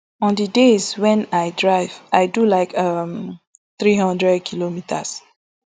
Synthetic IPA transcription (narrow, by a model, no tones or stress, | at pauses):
ɔ̃ndidezwɛ̃najdɹaɪvaɪdulaɪkʌm | θɹiɦʌ̃ndɹɛd̚kʰilomitʰas